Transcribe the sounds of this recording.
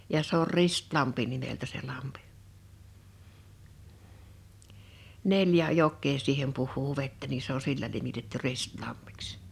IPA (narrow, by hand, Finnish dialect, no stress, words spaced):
jɑ se or ristlɑmpi nimeltæ se lɑmpi̥ neljæ jokˑeː siːhem puhˑuː ʋetːæ ni se o silːæ nimitetːy ristlɑmːi̥ks